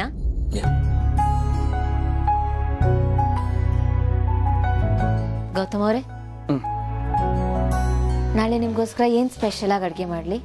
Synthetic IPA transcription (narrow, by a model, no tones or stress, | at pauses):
a | ɡɐwt̪ɐmɐʋɾe | naːɭenimɡoːskɐɾɐeːnspeʃɐlaːɡɐɽɡemaːɽli